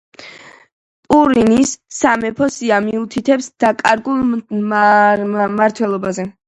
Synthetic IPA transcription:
pʼuɾinisːamɛpʰɔsiamiut̪ʰit̪ʰɛpsd̪̥akʼaɾɡulˠ | maɾt̪ʰwɛlˠɔbazɛ

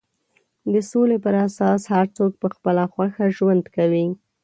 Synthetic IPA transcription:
d̪əsolepəɾasɑshaɾt͡sok̚pəxpəlaxwaxaʒwand̪kawi

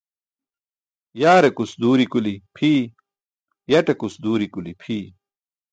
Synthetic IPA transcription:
jaːɾekusd̪uːɾikulipʰiː | jɐʈekusd̪uːɾikulipʰiː

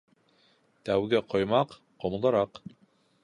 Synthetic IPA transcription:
t̪æwɡɘqŏjmɑq | qŏm̆lˠɤ̆ɾɑq

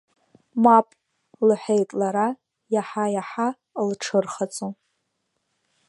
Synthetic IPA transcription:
mapʼ | lħʷejtʼlaɾa | jaħajaħa | lʈ͡ʂʰɨrχat͡sʼo

